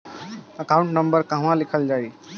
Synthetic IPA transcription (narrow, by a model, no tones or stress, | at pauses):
əkaʊ̃ɳʈnəmbəɾkəɦãlikʰəld͡ʒai